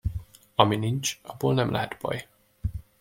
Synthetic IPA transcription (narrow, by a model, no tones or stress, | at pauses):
ɒminint͡ʃɒbːoːlnɛmlʔɛ̰ɦɛt̪b̥ɒ̰j